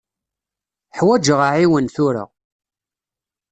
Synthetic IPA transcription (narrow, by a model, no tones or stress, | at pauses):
ħwæd͡ʒəʁaʕiwənθʊɾə̰ʁ